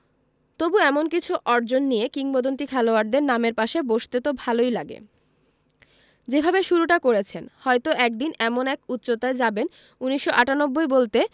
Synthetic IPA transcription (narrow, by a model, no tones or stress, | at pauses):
t̪obuɛmonkit͡ɕʰuʔɔɾd͡ʑonːijekiŋbod̪ont̪ikʰɛloaɖd̪eɾnameɾpaʃeboʃt̪et̪obʱalojlaɡḛ | d͡ʑebʱabeʃuɾuʈakoɾet͡ɕʰenhɔjt̪oʔɛk̚d̪inɛmonɛkut̪ːɕot̪aed͡ʑaben | uniʃːoʔaʈanobːoebolt̪e